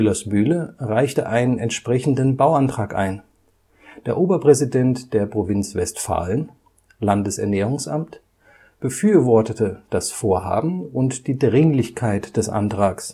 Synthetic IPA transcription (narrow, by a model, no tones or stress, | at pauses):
ɪlasmyːləʁaɪçtəʔaɪnənɛntʃpʁ̥ɛçn̩dənbaʊantʁ̥aːkʔa̰ɪn | d̥eːɐʔoːbɐpʁ̥ɛzidɛntd̥eːɐpʁ̥ovɪnt͡sv̥ɛstfa̰ːlən | landəsɛ̰ɐnɛːʁ̞ʊŋsʔa̰mt | b̥əfyːɐvɔɐtətəd̥asfoːɐɦa̰ːbm̩ʊntd̥iːdʁɪŋlɪçkʰaɪtd̥ɛsʔa̰ntʁ̥aːks